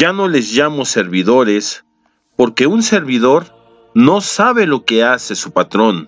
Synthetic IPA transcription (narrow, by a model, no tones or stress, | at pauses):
d͡ʒano̞le̞zʝamo̞se̞ɾβiðo̞ɾe̞s | po̞ɾke̞unse̞ɾβiðo̞ɾ | no̞saβe̞lo̞ke̞ase̞supat̪ɾo̞n